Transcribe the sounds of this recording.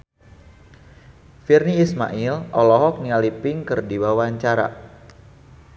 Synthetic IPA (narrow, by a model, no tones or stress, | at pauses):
firniːsma̰ʔilɔlɔɦɔk̚nialipɪŋkɨrdiwawaɲt͡ʃaɾa̰